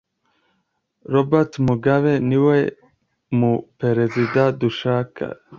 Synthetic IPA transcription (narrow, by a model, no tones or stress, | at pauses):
ɾobat̪muɡaweniwaj | mupeɾezid̪ad̪uʃaːka̰